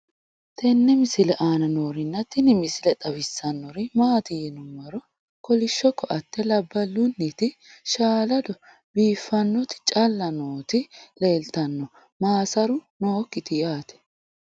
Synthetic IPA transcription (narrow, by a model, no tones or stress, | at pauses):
t̪ɛnːɛmɪsɪlɛʔaːnɐnoːɾɪnːɐt̪ɪnɪmɪsɪlɛt̪ʼɐwɪsːɐnːɔɾɪmaːt̪ɪjɛnʊmːɐɾɔ | kɔlɪʃːɔkːɔʔɐt̪ːɛlɐbːɐlːʊnːɪt̪ɪʃaːlɐd̪ɔ | biːfːɐnːɔt̪ɪ̥t͡ʃʼɐlːɐnoːt̪ɪle̞ːlt̪ɐnːɔ | maːsɐɾʊnoːkːɪt̪ɪjaːt̪ɛ̥